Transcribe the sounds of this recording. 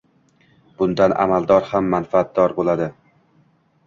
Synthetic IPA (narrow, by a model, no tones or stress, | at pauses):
b̥ʊnd̪anʔa̰malˠd̪ɒɾhamːanfaːt̪̚d̪ɒɾbolˠad̪ɪ